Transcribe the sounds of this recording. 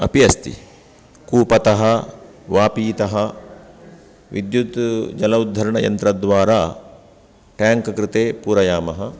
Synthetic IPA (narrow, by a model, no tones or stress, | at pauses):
ɐpiɐst̪ḭ | kuːpɐt̪ɐɦɐ | ʋaːpiːt̪ɐɦɐ | ʋid̪jut̪d͡ʒɐlɐud̪ʱːɐɾɐɳɐjɐ̰nt̪ɾɐd̪ʋaːɾaː | ʈaːŋkɐkɾɪt̪eːpuːɾɐjaːmɐɦɐ